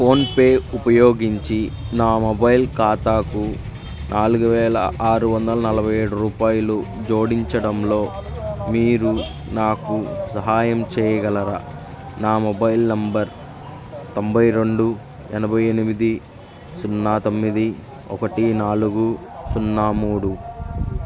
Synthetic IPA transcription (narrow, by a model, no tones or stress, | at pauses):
pʰo̞ːnpe̞ːupɐjoːɡiɲt͡ʃinaːmɔbɐjilkaːt̪aːku | nʔaːluɡuʋɛːlɐ̰ʔaːɾuʋɐnd̪ɐlɐnɐlɐbʱɐje̞ːɽuɾuːpaːjɐlud͡ʒo̞ːɽiɲt͡ʃɐɽɐmlo̞ːmiːɾu | naːkusɐɦaːjɐmt͡ʃɛːjɐɡɐlɐɾɐ | naːmɔbɐjlnɐmbɐɾ | t̪ombʱɐjɾe̞ɳɖu | ɛnɐbʱɐje̞nimid̪i | sunːaːt̪o̞mːid̪i | ɔ̰kɐʈinaːluɡu | sunːaːmuːɽu